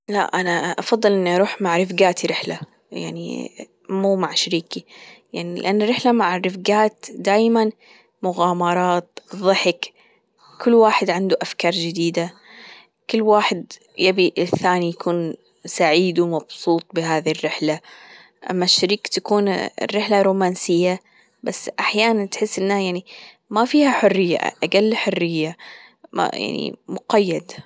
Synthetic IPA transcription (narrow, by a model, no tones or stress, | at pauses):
la̰ʔʔanaʔɑfɑðˤːɨlʔɪnːiʔɑɾˤuːħmaʕɾɪfɡaːt̪iɾɪħla | ja̰ʕnḭ | muːmaʕʃaɾiːkijaʕnilɪ̰ʔanːaɾɪħlamaʕɾɪfɡaːt̪d̪aːjman | mʊɣaːmɑɾˤɑːt̪ðˤɨħɪk | kʊlːwaːħɪd̪ʕɪnd̪uʔafkɑːɾˤd͡ʒɪd̪iːd̪a | kʊlːwaːħɪd̪ | jabiʔɪθaːnijakuːn | saʕiːd̪umɑbsuːt̪̚ˤbɪɦaːðirːɪħla | ʔa̰mːaʃːaɾiːkt̪akuːnrːɪħlaɾuːmaːnsɪjːa | basːʔaħjaːnant̪ħɪsːʔɪnːhajaʕni | mafiːhaħʊrːɪjːa̰ʔaɡalːħʊrːɪjːam̰ja̰ʕnḭmʊqajːad̪